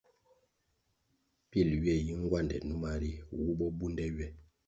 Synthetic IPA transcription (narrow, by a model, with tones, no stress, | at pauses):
pi˦˨lɥɛ˦˨ji˦ŋ˦ɡwa˦˨ndɛ̰˨nu˦ma˦ɾi˦wu˦ɓɔ˦bu˦ndɛ˦ɥɛ˦˨